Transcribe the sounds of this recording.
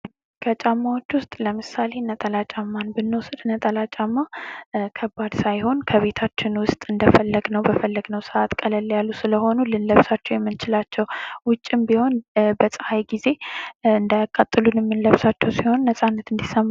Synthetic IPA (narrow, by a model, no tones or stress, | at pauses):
kʰət͡ʃʼamːawo̞t͡ʃːwʊst̪ʼləmɨsale̞nət̪ʼəlat͡ʃʼamːanbɨnːɨwɔsəd̪ɨnət̪ʼəlat͡ʃʼamːakʰəbːad̪sajho̞nkʰəβe̞t̪ʰat͡ʃːɪnwʊst̪ʼɨnd̪əfəlːəɡnəwbəfəlːəɡnəwsəʔat̪kʼələlːjalːusɨləho̞nulɨnləβsat͡ʃːɛwjɛmːɨnt͡ʃɪlat͡ʃːɛwwʊt͡ʃʼːɪmbiho̞nbəsʼəhajɡize̞ɨnd̪ajakʼːat̪ʼːɨlunɛmːɨnləβsat͡ʃːɛwsiho̞nːəsʼanːət̪ɨnd̪isəmː